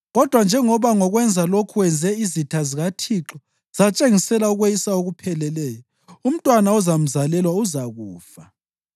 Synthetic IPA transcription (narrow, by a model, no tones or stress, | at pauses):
ɣɔd̥ʱwand͡ʒʱɛŋɔβaŋɔɣwɛnd͡zʱalokʰuwɛnd͡zʱɛizitʰaziɣatʰiǁɔ | z̥at͡ʃʼeŋisɛlauɣwejisaoɣupʰɛlɛlɛːjɔ | um̩tʼwanaɔzam̩zalɛlwauzaɣuːfa